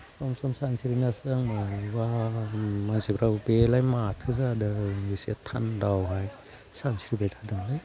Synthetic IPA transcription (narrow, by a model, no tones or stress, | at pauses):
sɔmsɔmsansiɾinasaŋaba | manzibɾawbelajmatʰɯzadaisetʰa̰ndawɦaj | sansiɾibetʰadɯŋlaj